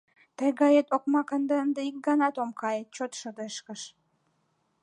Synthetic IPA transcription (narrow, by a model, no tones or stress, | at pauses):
t̪əjɣɑjet̪ok̚mɑkənd̪əənd̪əik̚ɡɑnɑt̪omkɑjet̪̚t͡ɕot̪ʃəd̪eʃkəʃ